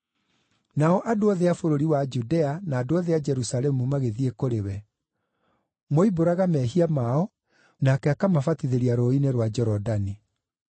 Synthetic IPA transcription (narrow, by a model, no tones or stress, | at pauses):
naɔʔadoɔðeafoɾoɾiwad͡ʒudɛanaːdoɔðead͡ʒɛɾusalɛmumaɣeðiekoɾewɛ | moiboɾaɣamɛɦiamaɔ | nakɛakamafatiðeɾiaɾoineɾwad͡ʒɛɾɔdani